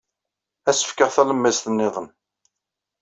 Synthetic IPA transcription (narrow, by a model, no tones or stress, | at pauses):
æsə̥fkəʁθæləmːæzθənːɪðˤən